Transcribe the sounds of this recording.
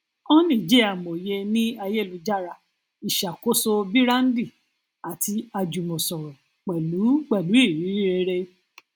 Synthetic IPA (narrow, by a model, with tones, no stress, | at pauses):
ɔ̃˦nĩ˦˨d͡ʒe˦a˦˨mo˨je˧nĩ˦a˧je˦˨lu˨˧˦d͡ʒa˦ɾa˨ | i˨ʃa˨ko˦so˧bi˦ɾa˦n̩˦di˦˨ | a˨ti˧a˧d͡ʒu˨mõ˨sɔ̃˨ɾɔ̃˨ | k͡pɛ˨lu˨˦ɡ͡bɛ˦˨lu˨˦i˦˨ɾi˨˦i˦ɾe˧ɾe˧